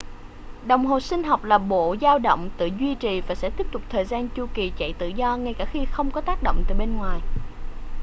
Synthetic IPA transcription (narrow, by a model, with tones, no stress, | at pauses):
ɗə˨˩wŋ͡mɦo˨˩sï˧ŋ̟ɦɔ˨˩wk͡p̚laː˨˩ɓo̰˧˨zaː˧wɗə̰˧˨wŋ͡mt̪ɨ̰˧˨zwi˧t͡ɕi˨˩vaː˨˩sɛ̰˧˥t̪i˦˥əp̚t̪ʊ˨˩k͡p̚t̪ʰəː˨˩jzaː˧nt͡ɕu˧ki˨˩t͡ɕə̰˧˨jt̪ɨ̰˧˨zɔ˧ŋa˧jkaː˧˩xi˧xə˧wŋ͡mkɔ˨˦t̪aː˦˥k̚ɗo̰˧˨wŋ͡mt̪aː˨˩ɓe˧nŋwaː˨˩j